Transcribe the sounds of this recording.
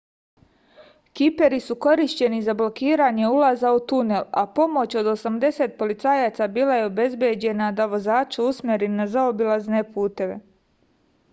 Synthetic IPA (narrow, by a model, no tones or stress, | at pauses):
kipe̞ɾisuko̞ɾiʃt͡ɕe̞nizablo̞kiːɾaɲe̞ulazaut̪une̞la̰po̞mo̞t͡ɕo̞d̪o̞samd̪e̞set̪̚po̞lit̪saːjaːt̪sabiːlˠaje̞obe̞zbjed͡ʑe̞nad̪aʋo̞zaːt͡ʃuusmjeɾinazaobilˠazne̞puːt̪e̞ʋe̞̰